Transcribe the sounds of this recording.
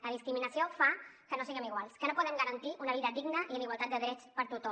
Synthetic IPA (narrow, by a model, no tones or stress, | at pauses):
ləðiskɾiminəsiofakənosiɣəmiɣwalˠskənopɔðəŋɡəɾənt̪iʔunəβ̞iðəd̪iɡnəʔiuniɣwalˠt̪at̪̚d̪əðɾɛt͡spəɾt̪ut̪o